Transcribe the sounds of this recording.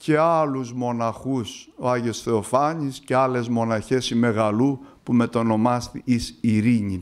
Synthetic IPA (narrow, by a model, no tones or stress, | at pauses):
ce̞ɐluzmo̞nɐxusoɐʝosθeofɐɲisce̞ɐle̞zmo̞nɐçe̞sime̞ɣɐlupume̞t̪o̞no̞mɐst̪iisiɾiɲi